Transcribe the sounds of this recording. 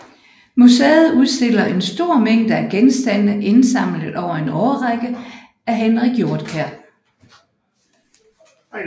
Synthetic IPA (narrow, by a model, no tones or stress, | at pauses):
musḛːð̞̩ˠuð̞ˠsd̥e̝l̰ɐe̝nsd̥o̝ɐ̰meŋ̰d̥əæɡ̥ensd̥æn̰əʔe̝nsɑ̈m̰ləð̩ˠɒʊɐe̝nɒʊɐʁaɡ̥ə | æɦenʁiɡ̥jo̝ɐd̥kʰæɐ̰